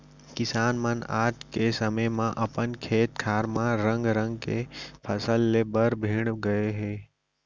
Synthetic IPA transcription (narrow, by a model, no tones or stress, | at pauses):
kɪsaːnməna̰ːʈkesəməjmãʔəpənkʰeːt̪kʰaːɾmãɾə̃ŋɡɾə̃ŋɡkepʰəsəlːeːbəɾbʱiːɽ̃ɡəeɦeː